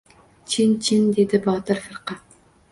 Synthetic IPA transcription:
t͡ʃʰint͡ʃʰind̪ed̪ɪbɑːt̪ɨɾfɨɾqɑ

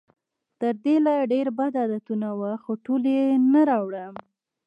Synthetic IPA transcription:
t̪əɾd̪elaɖeɾbad̪ad̪at̪unawaxoʈolenaɾɑwɽəm

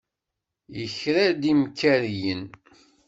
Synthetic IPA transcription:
jəçɾad̪imkːæɾjən

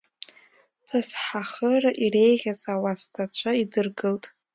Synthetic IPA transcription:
pʰɨsħaχəraʔire̞jʁʲazawastʰat͡ɕʷʰaidɨrɡɨltʼ

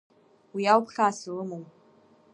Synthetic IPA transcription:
wiawpʰχʲaːsɨlɨmow

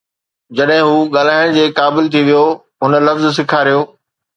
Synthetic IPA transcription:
d͡ʑɐɗɦɪ̃ɦuːɠaːl̤aːɪɽ̃d͡ʑeːkaːbɪlt̪ʰiʋijo | ɦʊnə̆lɐfzs̬ɪkʰaːɾijoː

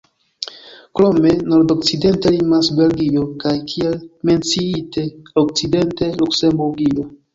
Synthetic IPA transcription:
kɾome̞no̞ɾdo̞k̚t͡side̞ntelimasbe̞lɡio̞kajkʰielme̞nt͡siite̞ok̚t͡side̞nte̞lukse̞mbuɾɡio̞

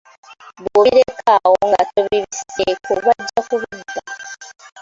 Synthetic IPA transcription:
buiɾekʰawoŋɡatoβiβisekoβaɟːakuβinda

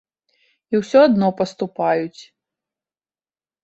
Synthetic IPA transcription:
iwsʲɔad̪nɔpɐst̪upajut͡sʲ

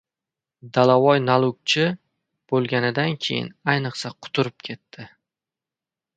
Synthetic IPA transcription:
d̪alavɒjnalˠʊk̚t͡ʃʰɪ | b̥olˠɡʲanɪd̪ankʲʰe̞jɪ̰najnɨqsaqʰʊ̥t̪ʰʊɾɪp̚kʲʰe̞t̪ːɪ

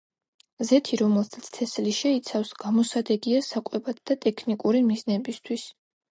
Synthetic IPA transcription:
zɛt̪ʰiɾɔmɛlˠt̪ʰat̪sʰt̪ʰɛsliʃɛit̪sʰafsɡ̥amɔsad̪ɛɡiasakʼwɛbat̪̚ʰd̪at̪ʼɛkʰnikʼuɾimiznɛbist̪ʰwis

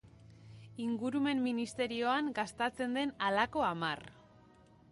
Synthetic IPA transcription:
iŋɡuɾume̞mːinist̪e̞ɾio̞aŋɡast̪at͡se̞nd̪e̞nalako̞amar

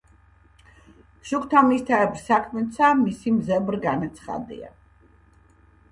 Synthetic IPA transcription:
ʃukʰt̪ʰamist̪ʰaɛbɾsakʰmɛt̪sʰamisimzɛbɾɡanat̪sʰχa̰d̪ḭa̰

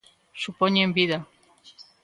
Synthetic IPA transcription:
supoɲembiða

